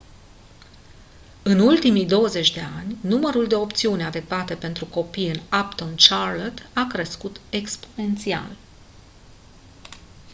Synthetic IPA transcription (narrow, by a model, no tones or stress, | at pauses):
ɨnult̪imijd̪o̞wəze̞t͡ʃʲd̪e̞a̰nʲnuməɾuld̪e̞o̞pt̪siunʲad̪e̞k̚t̪at̪e̞pe̞nt̪ɾuko̞pijɨnapt̪ont͡ʃarlot̪akɾe̞skut̪e̞kspo̞ne̞nt̪sia̰l